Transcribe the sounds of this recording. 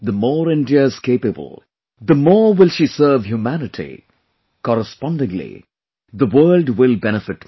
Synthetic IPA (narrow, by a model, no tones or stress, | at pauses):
d̪əmɔːɾɪ̃ndiəz̥keːpəbə̰lˠ | d̪əmɔːwɪlʃisɜːvhjumænɪtʰḭ | kɔɾəspɑ̃nɖɪ̃ŋlḭ | d̪əwɜːlɖwɪlˠbɛñɨfɪʈ